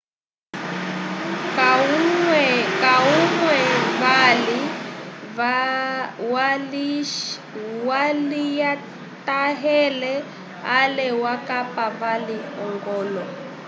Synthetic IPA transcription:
kawkauŋwɛβali | a | wali | walija | taɦɛlɛ | alɛwakapaβaliɔŋɡɔːlɔ

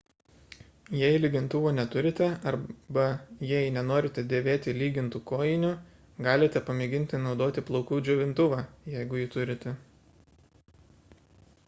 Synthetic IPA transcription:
jɛɪlʲɪɡʲɪnt̪ʊʋoːnʲɛt̪ʊɾʲɪt̪ʲɛɐɾbɐjɛɪnʲɛnoːɾʲɪt̪ʲɛd̪ʲeːʋʲeːt̪ʲɪlʲiːɡʲɪnt̪uːkoːjɪnʲʊ | ɡɑːlʲɪt̪ʲɛpɐmʲeɡʲɪnʲt̪ʲɪnɒʊd̪oːt̪ʲɪplˠɒʊkuːd͡ʒʲʊːʋʲɪnt̪ʊʋɑːjɛɪɡʊjɪt̪ʊɾʲɪt̪ʲɛ

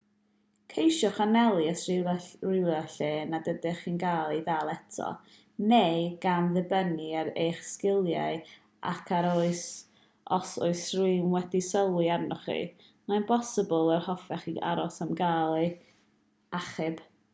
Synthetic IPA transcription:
kʰejʃɔχanɛlˠiəsrɪwlɛɬeːnadədɛχiːnɡaːlˠidaːlˠɛtʰɔ̰ | nejɡamðɛbəniaɾejχskɪlˠja̰ɨ | ʔa̰kʰaɾoɨs | ʔɔso̰ɨsruɨmwɛdisəlˠwɨarnɔχḭ | manbʰɔsɪbɔlˠərhɔfɛχia̰ɾɔsamɡaːlˠi | aχɨb̥

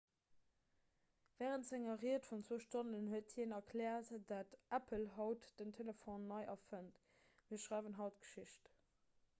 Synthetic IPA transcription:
vɛːʁəntz̥æŋɐʁiətfunt͡sw̥əʊʃtonənhuətʰinɐkʰlɛːɐtd̥atʔæpʰəlɦɑʊtd̥əntʰelefonːɑɪʔɑfənt | miːɐʃʁaɪvənɦɑʊtɡ̥ə̥ʃiʃt

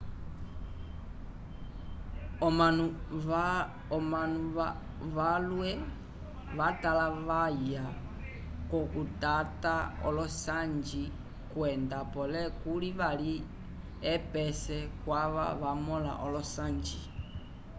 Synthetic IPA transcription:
au | ɔmanu | ʋalwɛ | ʋatalaʋaja | kɔkutataɔ̰lɔsand͡ʒi | kwɛndapɔlɛkuliʋali | ɛpɛsɛkwaʋa̰ʋamɔla̰ʔɔlɔsand͡ʒi

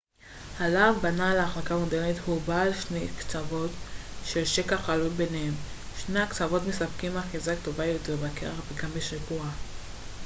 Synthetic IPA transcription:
halavbanaleaχlakamodeʁnet̪hubaːlʃnejkt͡savo̞tʃe̞lʃekaχalulbe̞nehem | ʃnejakt͡savo̞t̪me̞sapkimaχizakt̪o̞vajot̪eʁbakeʁaχveɡambeʃikua

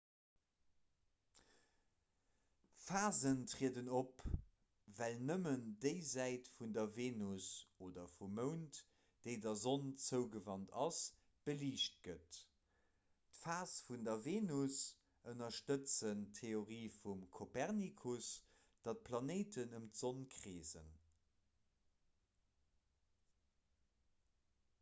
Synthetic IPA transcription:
faːzəntʁiədənop | vælnəməndəɪzæɪtfundɐveːnusoːdɐfumːəʊnt | d̥əɪdɐzont͡səʊɡəvɑntɑs | b̥əliːʃt̚ɡ̥ət | tfaːsfundɐveːnus | ənɐʃtət͡səntʰːeoʁiːfumkʰopɛʁnikʰus | d̥ɑt̚pʰlɑneɪtənəmtz̥onkʀeːzə̰n

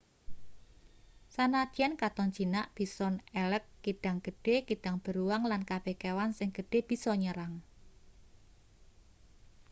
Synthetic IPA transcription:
sanad̪̥ankat̪ɔnt͡ʃinaʔb̥i̤sɔnɛləkːiɖ̥a̤ŋɡ̥ə̤ɖ̥ekiɖ̥aŋb̥ə̤ɾuwaŋlankab̥ehkewansɪŋɡ̥ə̤ɖ̥e̤b̥i̤sɔɲəɾaŋ

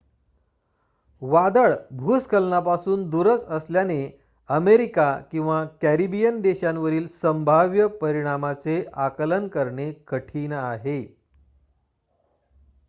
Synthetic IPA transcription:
ʋad̪əɭbʱuskʰəlnapasuːnd̪uɾət͡səsljane | əmeɾikakĩw̃ʋakæɾibijənd̪eɕãnʋəɾiːlsəmbʱaʋjəpəɾiɽ̃amat͡seʔakələnkəɾɳekʰəʈʰiːnaɦe

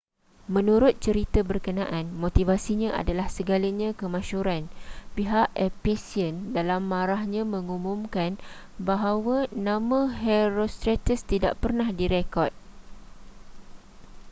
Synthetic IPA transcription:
mə̃nũɾʊt̪̚t͡ʃəɾit̪abərkənãʔanmot̪ivasiɲãʔa̰dalahsəɡalaɲãkəmãʃuɾanpiɦaʔɛpesiəndalamːãɾahɲãmə̃ŋumumkan | baɦawanãmãɦɛɾost̪ɾet̪əst̪ida̰ʔpərnahdiɾekɔt̪̚

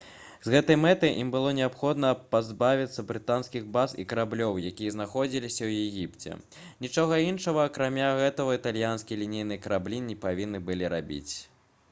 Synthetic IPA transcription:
zɣɛt̪ɐjmɛt̪ɐjʔimbɨlˠɔnʲɛapxɔd̪nɐpazbavʲit̪sːɐbɾɨt̪anskʲiɣbazḭkɐɾablʲɔwjakʲijɐznaxɔd͡zʲilʲisʲɐwjɛɣʲipt͡sʲɛ̰ | nʲit͡ʂɔɣɐinʂɐɣɐːkɾamʲaɣɛt̪ɐɐit̪alʲjanskʲilʲinʲijnɨjkɐɾablʲinʲipavʲinːɨbɨlʲiɾabʲḭt͡sʲ

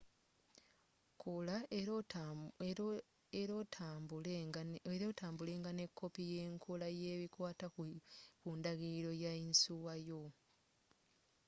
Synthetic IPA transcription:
kʰola | eɾo | eɾotaːmbule̞ːŋɡane̞kʰːo̞pije̞ːŋkʰolajeːβikwaːtakundaɣiɾo̞jainsuwajo

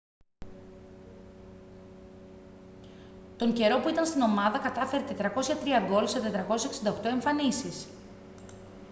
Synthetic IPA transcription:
t̪o̞ɲɟe̞ɾo̞puit̪ɐnst̪ino̞mɐðɐkɐt̪ɐfe̞ɾet̪et̪ɾɐko̞sçɐt̪ɾiɐɡo̞lset̪e̞t̪ɾɐko̞sso̞ksind̪okt̪o̞e̞ɱfɐnisis

